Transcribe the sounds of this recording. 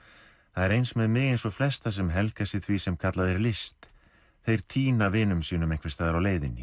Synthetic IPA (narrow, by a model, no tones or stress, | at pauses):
θaðɛɾejnsmɛðmɪːɣejnsɔflɛst̪as̬ɛmɦɛlkasɪðθvisɛmkʰat̪laðɛɾlɪst̪ | θejɾ̥t̪ʰiːnavɪnʏmsiːnʏmejŋ̥kfvɛ̥st̪aːðaɾawleːjðɪnːɪ